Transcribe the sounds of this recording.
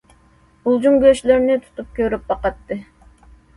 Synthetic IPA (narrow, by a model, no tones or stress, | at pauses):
ulˠd͡ʒuŋɡʲøʃleɾnɪt̪ʰu̥t̪ʰup̚kʲøɾyp̚bɑqɑt̪ːɨ